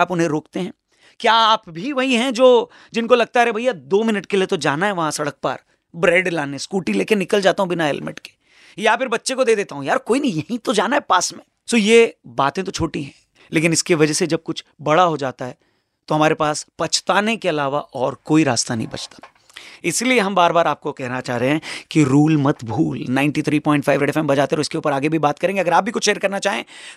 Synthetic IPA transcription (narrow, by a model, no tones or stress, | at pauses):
aːpʊnɦẽɾoːkt̪eɦɛ̃ː | kjaːpbʱiʋɐɦiɦɛ̃d͡ʒoː | d͡ʒɪnkolɐɡ̚t̪aɦɛɛbʱɐijːad̪oːmɪnəʈkeliet̪od͡ʒaːnaɦɛʋɐɦãsɐɽək̚pa̰ːɾ | bɾɛːɖlaːneskuːʈileːkenɪkəld͡ʒaːt̪aɦũbɪnaɦɛ̰lmɪ̰ʈke̥ | japʰɪɾbɐtːʃekod̪eːd̪eːt̪aɦũjaːɾkoːinɐɦĩjɐɦĩt̪od͡ʒaːnaɦɛpaːsmẽː | soːjebaːt̪ẽt̪ot͡ʃʰoːʈiɦɛ̃ː | leːkɪnɪskiʋɐd͡ʒɛsed͡ʒɐb̚kʊt͡ʃʰbɐɽaɦod͡ʒaːt̪aɦɛː | t̪oɦɐmaːɾepaːspɐt͡ʃʰt̪aːnekeɐlaːʋaʔɔːɾkoːiɾa̰ːst̪anɐ̰ɦḭ̃bɐ̰t͡ʃt̪ḁ | ɪslieɦɐ̃mbaːɾbaːɾaːp̚kokɛɦnat͡ʃaːɦɾeɦɛ̃kiɾuːlmɐt̪bʱuːlnãɪ̃ɳʈit̪ʰɾiːpɔ̃ːɪɳʈ̚faːɪʋɾeːɖɛfɛmbɐd͡ʒaːt̪eɛt̪oɪskeuːpəɾaːɡebʱibaːt̪̚kɐɾẽːŋɡeɐɡəɾaːp̚bʱikʊt͡ʃʰʃeːɾkɐɾnat͡ʃaːɦḛ̃ː